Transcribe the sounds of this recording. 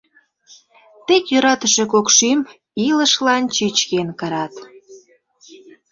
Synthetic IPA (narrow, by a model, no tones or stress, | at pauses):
t̪ekjøɾɑt̪əʃe̽kokʃym | iləʃlɑnt͡ɕyt͡ɕkenkəɾɑt̪